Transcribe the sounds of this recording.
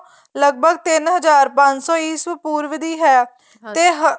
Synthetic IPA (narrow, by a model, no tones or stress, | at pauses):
ləɡ̚bəɡt̪ɪnɦəzaːɾpə̃ɲt͡ʃsɔːiːsʋəpuːɾʋɪd̪iːɦɛː | t̪eːɦ